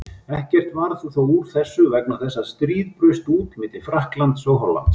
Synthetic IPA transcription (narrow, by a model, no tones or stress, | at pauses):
ɛhcɛr̥t̪vaɾθuθawuɾ̥θɛsːʏvɛknaθɛsːast̪ɾiːðpɾʏɥst̪uːt̪mɪːt̪ɪfɾahklant̪soːwɦɔlːa̰nt̪s